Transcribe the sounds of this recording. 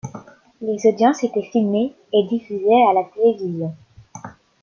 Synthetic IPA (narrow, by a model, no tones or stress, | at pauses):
lezod̪jɑ̃set̪ɛsilme | ed̪ifyzɛalat̪elevizjɔ̃